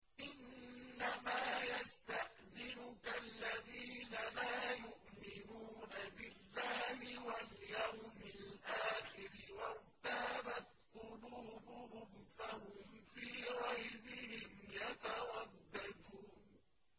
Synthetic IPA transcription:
ʔɪnːamaːjast̪ahd̪ɪɾʊkalːaðiːnalaːjʊʔmɪnuːnabɪlːaːhɪwaljawmɪlʔaːxɪɾɪwaɾt̪abat̪̚qʊluːbʊhʊmfahʊmfiːɣɑjbɪhɪmjat̪awɑd̪ːɑd̪uːn

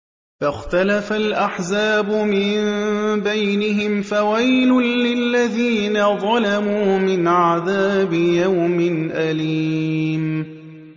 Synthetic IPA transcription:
faxt̪alafalʔaħzaːbʊmɪmbajnɪɦɪmfawajlʊlɪlːaðiːnaðˤɑlamuːmɪnʕaðaːbɪjawmɪnʔaliːm

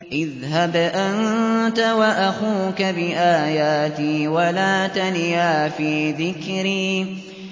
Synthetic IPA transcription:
ʔɪð | ɦabʔant̪awaʔaxuːkabɪʔaːjaːt̪iːwalaːt̪anjaːfiːðɪkɾiː

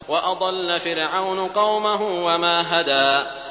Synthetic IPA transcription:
wɑʔɑd̪ˤɑlːafɪɾʕawnʊqɑwmaɦʊwamaːɦad̪aː

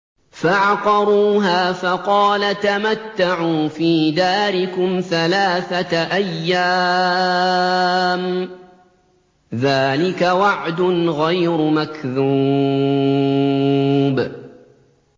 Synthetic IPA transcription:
faʕqɑɾˤuːɦaːfɑqɑːlat̪amat̪ːaʕuːfiːd̪aːɾɪkʊmθalaːθaʔajːaː | m | ðaːlɪkawaʕd̪ʊnɣajɾʊmakðuː | b

